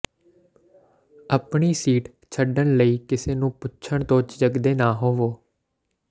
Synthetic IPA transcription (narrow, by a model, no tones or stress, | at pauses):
əpɳiːsiːʈ | t͡ʃʰəɖəɳləiːkɪseːnũːpʊtːt͡ʃʰəɳt̪oːt͡ʃd͡ʒəɡd̪eːnaːɦoːʋoː